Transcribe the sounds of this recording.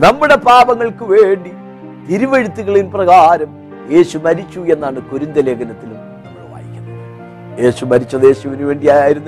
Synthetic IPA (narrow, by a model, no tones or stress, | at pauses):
nɐmːuɽe̞paːbɐŋːɐɭkɨʋe̞ːɳɖi | t̪iɾiʋeɻut̪ːiɣɐɭinprɐɣaːɾɐm | je̞ːɕumɐɾit͡ɕːue̞nːaːɳɨkoɾind̪ɐle̞ːɡɐnɐt̪ːilum | nɐmːɐɭʋa̰ːjikʲːunːɨ | je̞ːɕumɐɾit͡ɕːɐðe̞ːɕuʋɐnuʋe̞ːɳɖijaːjaːjiɾunːɐ